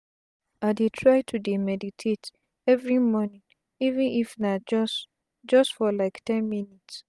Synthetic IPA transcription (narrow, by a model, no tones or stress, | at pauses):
adetʰɹaɪtʰudimɛditʰet | ɛvɹimɔnĩŋ | ivɛ̃nifnad͡ʒɔs | d͡ʒʌstfɔlaɪktʰɛ̃nminits